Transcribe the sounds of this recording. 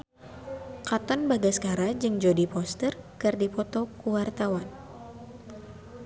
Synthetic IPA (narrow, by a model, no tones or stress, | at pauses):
kat̪ɔnbaɡasə̥kaɾad͡ʒɨŋd͡ʒodipɔst̪ərkɨrdipɔt̪ɔkuwart̪awan